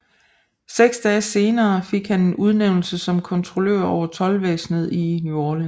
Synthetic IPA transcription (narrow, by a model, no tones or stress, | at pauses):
seɡ̥sd̥ɛːse̝ːnɐːfe̝ɡ̥hæne̝nuð̞ˠneʊnl̩səsɒ̽mkʰɒ̽nt͡sʰʁo̝lø̰ɐ̰ɒʊ̰ɐt͡sʰɒ̽lʋḛːsnəð̞̩ˠinoːlen